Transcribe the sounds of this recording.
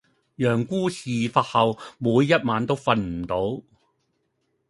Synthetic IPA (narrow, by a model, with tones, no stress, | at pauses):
jœː˨˩ŋkuː˥siː˨faː˧t̚hɐ˨wmuː˨˧jːɐ˥t̚maː˨˧nt̪o˥wfɐ˧nm̩˨˩t̪o˨˥w